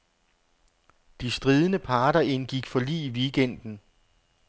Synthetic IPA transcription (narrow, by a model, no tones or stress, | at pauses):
d̥isd̥ʁiːð̞ˠənəpʰɑ̈ːɾɐʔe̝nɡ̥iɡ̥fɒ̽lḭːiʋiːɡ̥en̰d̥n̩